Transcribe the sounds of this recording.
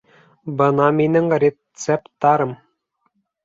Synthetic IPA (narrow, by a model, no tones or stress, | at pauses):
bɤ̆nɑminɘŋrʲe | sept̪ːɑɾɤ̆m